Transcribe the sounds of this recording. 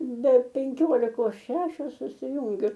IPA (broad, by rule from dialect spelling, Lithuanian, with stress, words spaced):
bʲɛ pʲɛŋʲˈkʲoːlʲɪkoːs ˈʃʲæːʃʲoːs sʊsʲɪˈjʊŋʲɡʲʊ